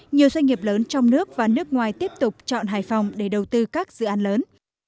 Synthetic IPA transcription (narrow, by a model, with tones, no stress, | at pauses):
ɲi˨˩əwzwa˧ŋ̟ŋi˨˩əp̚ləː˨˦nt͡ɕɔ˧wŋ͡mnɨ˦˥ək̚vaː˨˩nɨ˦˥ək̚ŋwaː˨˩jt̪i˦˥əp̚t̪ʊ˨˩k͡p̚t͡ɕɔ̰˧˨nɦaː˧˩jfɔ˨˩wŋ͡mɗe˧˩ɗə˨˩wt̪ɨ˧kaː˦˥k̚zɨ̰˧˨ʔaː˨˦nləː˨˦n